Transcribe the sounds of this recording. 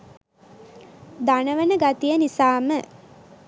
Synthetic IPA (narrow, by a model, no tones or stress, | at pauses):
d̪anəʋənəɡat̪ijənisaːmə